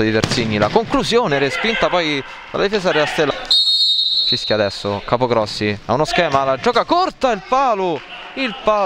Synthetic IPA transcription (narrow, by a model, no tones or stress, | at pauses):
ad̪it̪eɾt̪siɲːilakoŋkluzjoːneɾespint̪apɔj | d̪a̰la̰d̪ifeːzaɾelast̪elːa | t͡ʃisk̟jiad̪ɛsːokaːpoɡɾɔsːia̰unoskɛːmalad͡ʒːɔːkakort̪ailpaːlo | ilpaː